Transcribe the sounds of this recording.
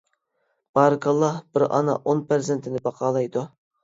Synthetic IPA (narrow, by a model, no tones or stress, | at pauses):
b̥ɑɾɨkʰɑlˠːɑhbɪɾɑ̰nɑ̰ʔonpʰeɾzɪnt̪ʰɪnɪbɑqʰɑːlˠɑjd̪u